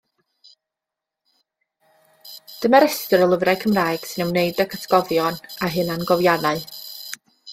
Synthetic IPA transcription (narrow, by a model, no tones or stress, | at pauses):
d̥əmaɾɛstəɾəlˠəvrakʰəmraːjɡ̥sɨnɛwneɨdəkʰətʰə̥ɡ̥ɔðjɔnaɦɨnanɡɔvjanaɨ